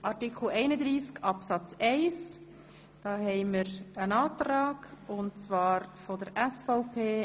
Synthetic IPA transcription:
ʔɑɾtikχl̩ɛɪnəd̪ɾiːskɑpsɑt͡sɛɪs | d̥ɑːhɛɪmɪɾənɑːtɾɑːɡʊntt͡svɑːɾfɔdəɾʔɛsfɔʊpʰeː

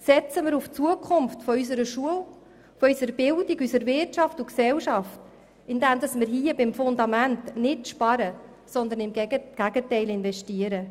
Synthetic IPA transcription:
sɛt͡səmɪɾuft͡suəkʰʊmftfɔys̬əɾəʃuəl | fɔysəɾbɪldiɡysəɾvɪrtɑftuksɛlʃɑft | ɪndɛmd̥ɑsmɪɾɦiːəbɪmfʊnd̪ɑmæntnɪtʃpɑɾə | sɔnd̪ənɪmɡ̥æɡətɛɪlɪnvɛʃtiəɾə

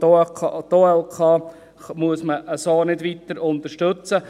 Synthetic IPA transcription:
ɑt̪oːɛlkʰɑː | muəsməʔəsoːnɪdʋit̪əɾʊnt̪əʃtɵt͡sə

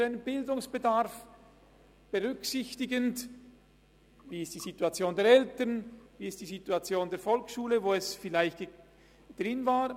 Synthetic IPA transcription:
aɪnənbɪldʊŋsb̥ədaɾf | b̥əʁʏksɪçtɪɡənt | viːɪst̚d̥iːzituat͡sjoːndeːɐɛltənviːɪst̚d̥iːzituat͡sjoːndeːɐfɔlksʃuːləvoːɛsfɪlaɪçt | d̥ʁɪnvaːʁ

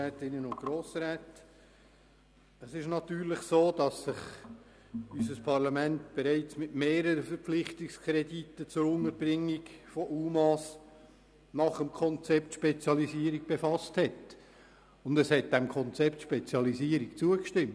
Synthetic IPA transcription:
æːtɪnːənʊn̚ɡ̥ɾoːsɾɛːt | əsɪʃnɑtyːɾlɪχsoːd̥ɑsːɪχ | ysəspʰɑɾlɑmɛntb̥ɛɾaɪt͡smɪtmeːɾəɾəfəɾpflɪχtɪkskʰɾɛditːət͡sʊɾʊnəɾbrɪŋːikfɔʔuːmɑs | nɑχəmkʰɔnt͡sɛptʃpɛt͡sjɑliziːəɾik̚b̥efɑsthɛt | ʊndəshɛt̚d̥ɛmkʰɔnt͡sɛptʃpɛt͡sjɑliziəɾikt͡suəkʃtɪmt

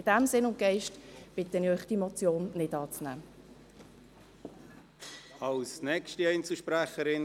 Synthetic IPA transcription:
ɪd̥æmsɪnʊntɡ̥ɛɪʃtb̥ɪtənɪœʏχd̥imɔt͡sjoːnːɪdɑːt͡snæ̰ː | ɑlsnɛkʃtiɛɪnt͡səlʃpɾæχəɾɪn

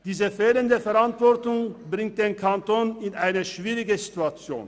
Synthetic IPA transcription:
d̥iːzəfeːləndəfɛʁantv̥ɔɐtʊŋbʁɪŋt̚d̥eːnkʰantoːnɪnʔaɪnəʃv̥iːʁɪɡəzituat͡sjo̰ːn

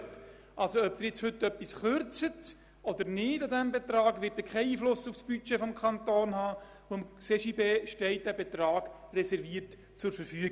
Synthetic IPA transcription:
t | ʔɑlsoœp̚d̥̪ɪɾjɪt͡shɵtːœpːisχøɾt͡sət | ɔd̪əɾnɪːdɑdæmbetɾɑːɡʋɪt̚dɪkχɛɪiːflʊsufsb̥yt͡ʃefɔmkʰɑntoːnhɑː | uəmseʃibeːʃtɛɪt̚d̥æbet̪ɾɑːɡ̥ | rɛsɛɾviːəɾt | t͡sʊɾfəɾfyəɡ

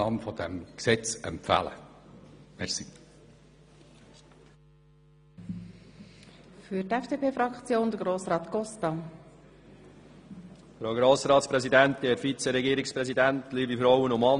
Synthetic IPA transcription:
ɑːmfɔd̥̪ɛmksɛt͡sɛ̰mpfæ̰lə̰ | mɛɾsi | fyɾtɛfd̥eːpʰeːfɾɑkt͡sjoːnd̥̪əɡɾoːsɾɑːt̪kɔstɑ | fɾowɡɾoːsɾɑːt̪spɾɛzid̪ænt̪ɡ̥eːɾfit͡sɛɾɛɡiːɾɪkspɾɛsid̪ænt̪liːbifɾɔʊənʊmmɑ

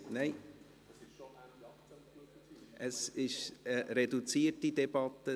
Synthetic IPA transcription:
nɛɪ | ʔəsɪʃəɾedut͡siːətidɛb̥ɑt̪ə

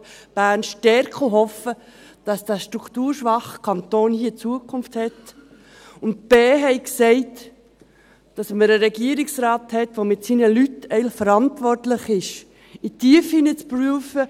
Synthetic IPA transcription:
b̥æːnʃtɛɾkʰoɦɔfə | d̥ɑsd̥æʃtɾukʰtuːɾʃʋɑχəkʰɑntoːnhiːt͡suəkʰʊnfthɛt | ʊntb̥eːɦɛɪksɛɪt | d̥ɑsməɾəɾɛɡiəɾɪksɾɑːthɛtʋomɪtsinəlytɛɪlfəɾɑntʋɔrtlɪχɪʃ | itiəfhinət͡spɾyːəfə

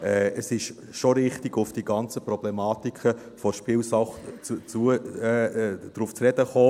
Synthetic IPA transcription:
ɛəsɪʃ | ʃoɾɪχtiɡʊfd̥iɡɑnt͡səprɔb̥lɛmɑːtikʰə | fɔɾʃpɪːlsɑχt͡sut͡suə | d̥ɾuːft͡srɛdəχoː

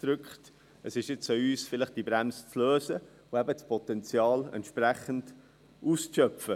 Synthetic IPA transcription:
d̥ɾʏkχt | əsɪʃjɪt͡səyːsfɪlɪχd̥ibɾɛmst͡sløːzə | ʊɛbət͡spʰɔt̪ɛnt͡sjɑːlɛ̰ntʃprɛχənd̥ | ʔuːst͡sʃœfə

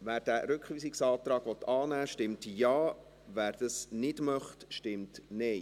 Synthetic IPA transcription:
ʋæːɾd̥æːɾʉkχʋyːsɪksɑːtɾɑːɡ̥ʋɔt̪ːʰɑːnæːʃtɪmtjɑː | ʋæːɾd̥ɑsnɪdmœχtʃtɪmtnɛɪ

